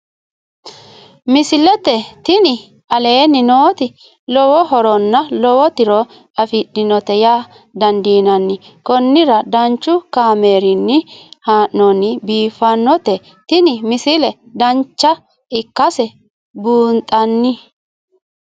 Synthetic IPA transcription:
mɪsɪlɛt̪ɛt̪ɪnɪ | ɐle̞ːnːɪnoːt̪ɪ | lɔwɔɦɔɾɔnːɐlɔwɔt̪ɪɾɔ | ɐfɪɗɪnɔt̪ɛja | d̪ɐnd̪iːnɐnːɪ | kɔnːɪɾɐd̪ɐnt͡ʃːʊkaːme̞ːɾɪnːɪhaːʔnɔnɪbiːfɐnːɔt̪ɛ | t̪ɪnɪmɪsɪlɛ | d̪ɐnt͡ʃːɐ | ɪkːɐsɛ | buːnt̪ʼɐnːɪ

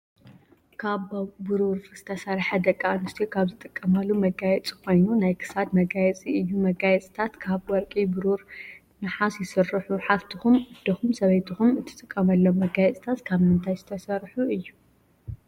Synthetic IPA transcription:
kʰaβbɨɾuɾz̥ɨt̪ʰɐsɐɾħɐd̪ɐkʼːaanɨst̪ʰijkʰaβzɨt̪ʼɨkʼːɐmalːumɐɡajɛt͡sʼi̥kʰo̞jnunajkʰɨ̥sad̪mɐɡajɛt͡sʼiɨjːumɐɡajɛt͡sʼit̪ʰat̪kʰaβwɔɾkʼibɨɾuɾ | nɨħasjɪsɨrːɨħuħaft̪ʰixumɨd̪ɐxumsɐβɐjt̪ʰixumɨt̪ʰɨ̥t̪ʼɨkʼːɐmɐlːomːɐɡajɛt͡sʼi̥t̪ʰat̪kʰaβmɨnt̪ʰajzɨ̥t̪ʰɐsɐɾħuɨjːu

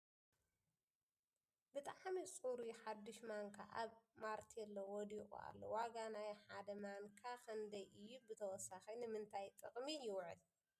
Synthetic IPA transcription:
bɨt̪ʼaʕmisʼuɾuħad̪ːɨʃmaŋkʰaʔaβmaɾt̪ʰiɛlːowɔd̪ikʼṵa̰lːo̰waɡanajħad̪ɐmaŋkʰakʰɐnd̪ɐjʔɨjːubɨt̪ʰɐwɔsaxɐnɨmɨnt̪ʰajt̪ʼɨkʼmijɪwʕɨl

